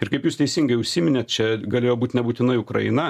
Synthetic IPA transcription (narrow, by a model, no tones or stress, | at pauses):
ɪɾkɐɪpjuːst̪ʲɛɪsʲɪŋɡɐɪʊʃʲsʲiːmʲɪnʲeːt̪̚t͡ʃʲɛɡɐlʲeːjoːbuːt̪ʲnʲɛbuːt̪ʲɪnɐɪʊkɾɐ̰ɪnɐ